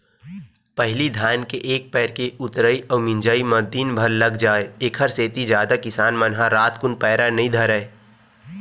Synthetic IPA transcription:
pəɦɪlid̪ʱjaːnkeʔeːk̚pɛːɾkeʔʊt̪ɾəiɔːmɪ̃nd͡ʒaːiməɾd̪inbʱəɾləɡd͡ʒaːeeːkʰəɾseːt̪id͡ʒjaːd̪akɪsaːnmənɦaɾaːt̪kʊnpɛːɾanɐɦĩd̪ʱɐɾəe

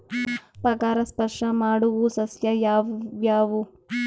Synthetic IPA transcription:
pɐkaːɾɐspɐɾʂɐmaːɽuʋusɐsjɐjaːʋjaːʋu

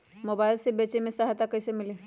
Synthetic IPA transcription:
mʊbaːɪlsebeːt͡ʃemẽsɐɦt̪akɐɪsemɪle

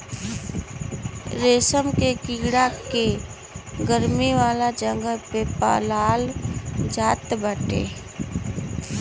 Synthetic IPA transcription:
ɾeːsəmkekiɡɽake | ɡəɾmiʋaːlad͡ʒə̃ŋɡəlpepa̰laːld͡ʒaːt̪bəʈḛː

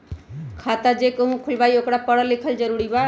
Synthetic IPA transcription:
kʰaːt̪ad͡ʒekoɦũkʰʊlbaːiokɽapəɽəlɪkʰəld͡ʒəɾuɽiba

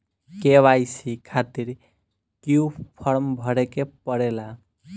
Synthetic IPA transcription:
keʋajsikʰat̪iɾ | kijupʰʌɾmbʱʌɽekepəɽela

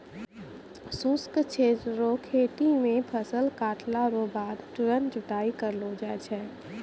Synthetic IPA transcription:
suskt͡ʃʰeːt̪ɾokʰeːʈimẽpʰəsəlkaːʈʰlaɾobaːd̪ʈʊɾənd͡ʒʊʈ̪aːikəɾlod͡ʒaːt͡ʃʰɛː

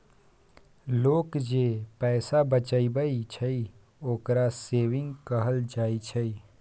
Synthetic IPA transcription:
loːkd͡ʒeːpɛːsabət͡ʃaibəit͡ʃʰəi | oːkɾaseːʋɪ̃ŋɡkəɦəld͡ʒaːit͡ʃʰəi

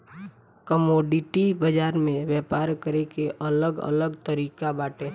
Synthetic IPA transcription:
kəmoːɖiʈibəd͡ʒaːɾmẽʋjɛpaːɾkəɾekeʔələɡə̰ləɡt̪əɾiːkabaːʈe

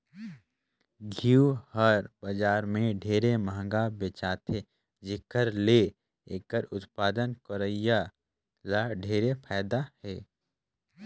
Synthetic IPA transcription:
ɡʱiuhəɾbəd͡ʒaːɾmẽɖʱeːɾeməɦə̃ŋɡabet͡ʃaːt̪ʰe | d͡ʒɪkəɾle | eːkəɾʊt̪paːd̪ənkəɾəija | laɖʱeːɾepʰaːd̪ahɛː

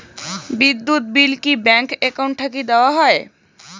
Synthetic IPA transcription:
bid̪ːut̪̚bilkibɛŋkekawɳʈ̚ʰakid̪eoaɦɔe

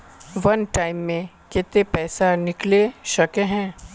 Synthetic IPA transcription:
ʋɐnʈaːɪmːẽ | kɪt̪epɛːsanɪkleʃɐkeɦɛ̃ː

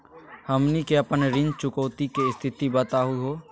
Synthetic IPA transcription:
həmnikeəpənɾɪ̃nd͡ʒt͡ʃʊkəːt̪ikeɪst̪ʰɪt̪ibət̪aɦʊiɦoː

